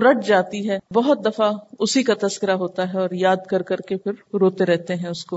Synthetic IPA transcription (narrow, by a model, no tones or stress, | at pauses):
ɾɐʈ̚ʰd͡ʒaːt̪iɦɛːbɐɦʊt̪̚d̪ɐfaʊsikat̪ɐskɪɾaɦoːt̪aɦɛɔːɾjaːd̪kɐɾkɐɾkepɪɾɾoːt̪eɾɛɦt̪eɦɛ̃ʊsko